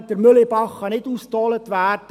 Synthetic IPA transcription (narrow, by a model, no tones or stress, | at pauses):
d̥əɾmʏlɪbɑχːɑnɪduːstɑːlətʋæːd